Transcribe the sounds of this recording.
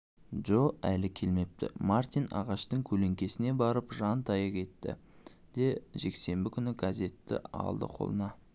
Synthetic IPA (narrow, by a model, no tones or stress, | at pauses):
ʒoælɪkʲʰe̞lme̞p̚t̪ɪ̰mart̪ijnɑ̰ʁɑʃt̪əŋkʲʰɵle̞ŋkʲe̞sɪne̞bɑɾəpʒɑnt̪ʰɑjɑkʲʰe̞t̪ːɪ̰ | d̪̥e̞ʒe̞kse̞mbɪkʲʰʏnɪɡaze̞t̪ːɪ̰ɑ̰lˠd̪ə̰qʰo̞̰lˠənɑ